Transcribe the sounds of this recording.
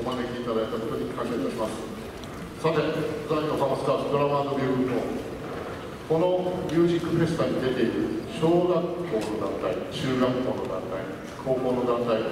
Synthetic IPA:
omanekʲiit̪ad̪ait̪akot̪o̞ɲ̟ikãŋɡeiaɾʲimasɨ̥ | sat̪e̞zãkasãsɨ̥kaːt̪ok̪ɯɾaβaːd̪obʲiːɯt̪o̰ː | ko̞no̞mʲɨːʑikːɯpe̞sɨ̥t̪aɲ̟id̪e̞t̪e̞iɾɯ̟ɕo̞ːɡakːo̞ːno̞d̪ãnt̪ait͡ɕɨːɡakːo̞ːno̞d̪ã̰nt̪a̰i | kʰo̞ːko̞ːno̞d̪ãnt̪ai

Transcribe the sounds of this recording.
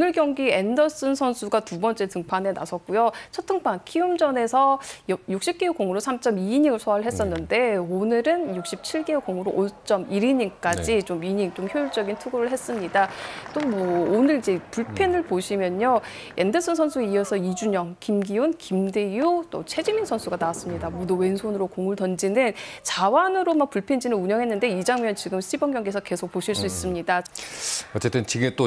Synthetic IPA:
onɯɭkjʌŋɡie̞ndʌs͈ɯnsʰʌnsʰuɡatubʌnt͡ɕ͈e̞tɯŋpʰanɦe̞na̰sʰʌt̚k͈ujot͡ɕʰʌtʰɯŋpʰankʰiumd͡ʑʌne̞sʰʌjjuk̚ɕ͈ip̚k͈euk͈oŋuɾosʰamt͡ɕ͈ʌmiːɲiŋɯɭsʰoaɾɯɭɦe̞s͈ʌnːɯnde̞onɯɾɯnjuk̚ɕ͈ip̚t͡ɕʰiɭɡeukoŋuɾoʔot͡ɕ͈ʌmiɾiɲink͈ad͡ʑit͡ɕomiɲiŋt͡ɕomçjojuɭt͡ɕ͈ʌɡintʰuɡoɾɯɭɦe̞s͈ɯmɲidat͈omwʌonɯɾid͡ʑe̞puɭpʰenɯɭpoɕʰimjʌɲo | jʔendɯsʰʌnsʰʌnsʰueiesʰʌid͡ʑuɲʌŋkimɡiunkimdejut͈o̰t͡ɕʰe̞d͡ʑimiŋsʰʌnsʰuɡanawas͈ɯmɲidamoduwe̞nsʰonɯɾokoŋuɭtʌnd͡ʑinɯnt͡ɕawanɯɾomak̚puɭpʰend͡ʑinɯnuɲʌŋɦe̞nːɯnde̞id͡ʑaŋmjʌnt͡ɕiɡɯmɕʰibʌŋɡjʌŋɡesʰʌk͈ːe̞sʰok̚poɕʰiɭs͈uis͈ɯmɲida | ʌt͡ɕ͈e̞t͈ɯnt͡ɕiɡet͈o

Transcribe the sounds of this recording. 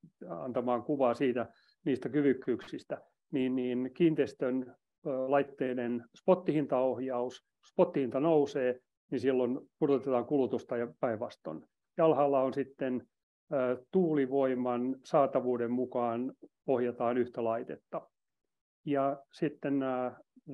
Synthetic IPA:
ɑ̰nt̪ɑmɑːŋkuʋɑːsiːt̪æ | niːst̪ækyʋykːyːkssist̪æ | niːnniːnkiːnt̪est̪ønː | lɑit̪ːeːnenspot̪ːihint̪ɑohjɑus | spot̪ːihint̪ɑnouseː | ninsilːonpurt̪ut̪et̪ɑːŋkulut̪ust̪ɑjɑpæiʋʋɑst̪o̰n | jɑlhɑːlːɑonsit̪ːenː | t̪uːliʋoimɑnsɑːt̪ɑʋuːdemmukɑːn | ohjɑt̪ɑːnyht̪ælɑit̪et̪ːɑ | jɑsit̪ːenː

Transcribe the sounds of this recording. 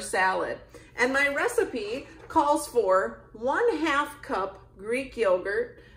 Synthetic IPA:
sælˠə̰dʔɨ̃nmaɪɹɛsɨpikʰɔlˠz̥fə˞wʌ̃nɦæfkʰʌp | ɡ̥ɹikjɪlˠɡə˞t̚

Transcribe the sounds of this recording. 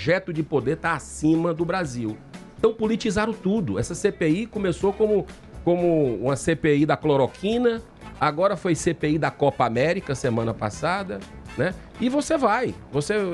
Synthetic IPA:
ʒɛt̪ʊd͡ʒɪpod̪eɾt̪aasĩmɐd̪ʊbɾaziweẽt̪ɐ̃w̃pulit͡ʃizaɾʊt̪ud̪ʊɛsɐsepeikõmesokõmʊ | kõmʊṵ̃mɐsepeid̪ɐkloɾokʰĩnɐ | aɡɔɾɐfojsepeid̪ɐkɔpɐamɛɾikɐsemɐ̃nɐpa̰sad̪ɐnɛ | ɪvosevajvose

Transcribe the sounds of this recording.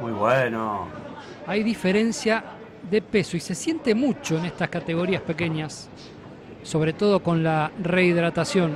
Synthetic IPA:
mujβweno | ajðife̞ɾe̞nsja | ðepe̞soise̞sje̞nt̪e̞mut͡ʃo̞enest̪askat̪eɣ̞o̞ɾiaspe̞ke̞ɲasː | o̞βɾe̞t̪o̞ð̞o̞ko̞nlareiðɾat̪asjo̞n

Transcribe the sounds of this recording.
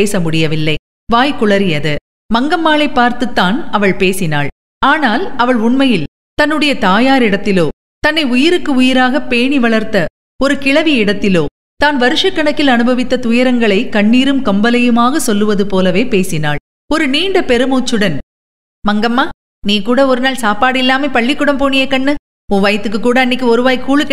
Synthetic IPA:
eːsɐmʊɽɪjɐʋɪlːɐɪ | ʋaːjkʊɭɐɾɪjɐðɯ | mɐŋɡɐmːaːɭɐɪpːaːɾt̪ɯt̪ːaːnɐʋɐɭpeːsɪna̰ːɭ | aːnaːlɐʋɐɭʊɳmɐjɪl | t̪ɐnːɯɽɐjɐt̪aːjaːɾɪɽɐt̪ːɪloː | t̪ɐnːɐɪʊjɪɾɯkːɯʊjɪɾaːɣɐpeːɳiʋɐɭɐɾt̪ːɐ | ɔɾɯkɪɭɐʋɪɪɽɐt̪ːɪloː | t̪aːnʋɐɾɯʂɐkːɐɳɐkːɪlɐnɯbɐʋɪt̪ːɐt̪ʊjɐɾɐŋɡɐɭɐɪkɐɳːiːɾɯmkɐmbɐlɐjɯmaːɣɐsɔlːɯʋɐðɯpoːlɐʋeːpeːsɪna̰ːɭ | ɔɾɯniːɳɖɐpɛɾɯmoːt͡ʃːɯɽɐn | mɐŋɡɐmːaː | niːkuːɽɐɔɾɯnaːɭsaːpaːɽɪlːaːmeːpɐɭːɪkːʊɽɐmpoːɳɪjɐkːɐɳːɯ | ʊ̃ːʋɐjɐt̪ːɯk̬ːɯkːuːɽɐɐnːɪkːɯɔɾɯʋaːjkːuːɭɯkː

